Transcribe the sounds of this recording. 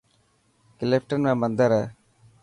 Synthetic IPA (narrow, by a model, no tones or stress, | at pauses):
kɪlepʈənmẽːmənd̪əɾɦɛː